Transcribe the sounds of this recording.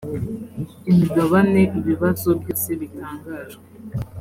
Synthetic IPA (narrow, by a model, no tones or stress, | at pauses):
imiɡaβaneʔiβiβazobjisiβitaːŋɡazɡe